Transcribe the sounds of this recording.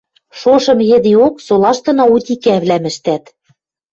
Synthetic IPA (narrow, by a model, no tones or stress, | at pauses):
ʃoʃɤ̆mjɘ̆d̪ioksolˠɑʃt̪ɤ̆nɑ̆ut̪ʲikæβlæmɘ̆ʃt̪æt̪